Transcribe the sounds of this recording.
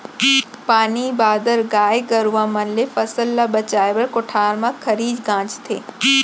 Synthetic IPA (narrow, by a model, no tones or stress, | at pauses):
paːnibaːd̪əɾɡaːjɡɐɾuamɐnlefɐsəlːabɐt͡ʃaːjʋɐɾkʊʈʰaːɾmãkʰɐɾiːd͡ʒɡãːt͡ʃt̪ʰḛː